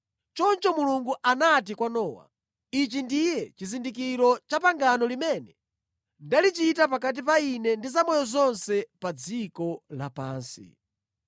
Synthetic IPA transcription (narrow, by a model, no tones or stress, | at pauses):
t͡ʃɔnt͡ʃɔmuluŋɡuʔanatikwanɔːwa̰ | it͡ʃindijɛt͡ʃizindik̬iɾɔt͡ʃapaŋɡanɔlimɛnɛ | ndalit͡ʃitap̬ak̬at̬ip̬ainɛndizamɔjɔzɔnsɛpad͡zikɔlapa̰ːnsḭ